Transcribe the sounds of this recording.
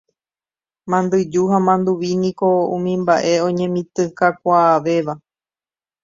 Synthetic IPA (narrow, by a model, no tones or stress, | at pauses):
mãnd̪ɨd͡ʒuɦamãnd̪uʋinĩko̞ũmĩmbaʔe̞õ̞ɲẽ̞mĩt̪ɨ̃kakʷaːʋe̞ʋa